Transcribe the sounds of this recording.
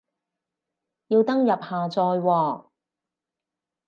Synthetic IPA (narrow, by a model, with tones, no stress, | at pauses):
jiː˧wt̪ɐ˥ŋjɐ˨p̚haː˨t͡sɔː˧jwɔː˧˩